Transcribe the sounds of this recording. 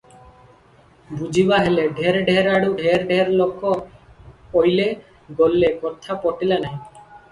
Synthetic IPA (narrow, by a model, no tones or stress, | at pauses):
bud͡ʑʱibaɦeleɖʱeɾɖʱeɾaɽuɖʱeɾɖʱeɾlokʰːɔ | ojle | ɡolːekɔt̪ʰːapɔʈilanaj